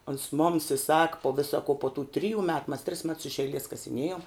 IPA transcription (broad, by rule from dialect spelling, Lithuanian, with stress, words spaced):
oːns moːms ɪ sɐk poː ˈʋʲɪsɐ koː poː tuː ˈtʲrʲɪjuː ˈmʲɛt mɐs tʲrʲɪs mʲɛts ɪʃ ɛɪˈlʲiɛs kɐsʲɪˈnʲiɛjoːm